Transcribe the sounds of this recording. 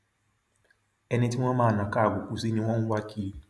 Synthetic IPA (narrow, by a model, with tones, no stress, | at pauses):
ɛ˧nĩ˧ti˦w̃ɔ̃˦mãː˦˨nã˨ka˦˨ɡʷu˨ku˨si˦nĩ˧w̃ɔ̃˦n̩˦wa˦kʰi˦